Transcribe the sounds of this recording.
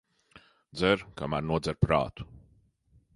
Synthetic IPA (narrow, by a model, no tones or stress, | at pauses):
d̪zɛɾkamæɾnuɔd̪zɛɾpɾa̰ːt̪u̥